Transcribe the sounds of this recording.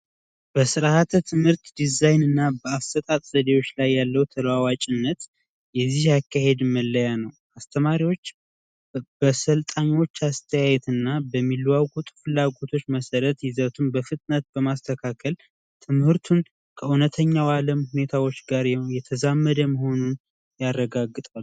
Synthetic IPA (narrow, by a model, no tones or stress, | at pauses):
b̥əsɨɾahat̪ʰət̪ʰɨmhɨɾt̪d̪izajnɨnːabəast̪ət̪ʼat̪ʼz̥əd̪ewo̞t͡ʃːlajːalːəwt̪ʰələwawat͡ʃʼɪnːət̪ | jɛzːihjakʰːahe̞d̪məlːəjanəw | ast̪ʰəmaɾiwo̞t͡ʃː | b̥əsəlt̪ʼaɲwo̞t͡ʃːast̪ʰəjajɛt̪ɨnːabəmːilwaɡʼut̪ʼfɨlːaɡo̞t̪ʰo̞t͡ʃːməsəɾət̪jɪzət̪ʰunbəfɨt̪ʼnət̪̚bəmast̪ʰəkʰakʰəl | t̪ʰɨmhɨɾt̪ʰun | kʰəunət̪ʰəɲːawaləmhune̞t̪ʰawo̞t͡ʃːɡaɾjɛt̪ʰəzamːəd̪əməɦo̞nun | jarːəɡaɡːɨt̪ʼalː